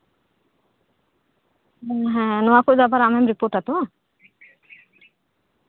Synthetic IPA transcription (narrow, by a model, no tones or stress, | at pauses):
ɦɛ̃nɔwakud̪apaɾamɛmɾipoɾʈat̪u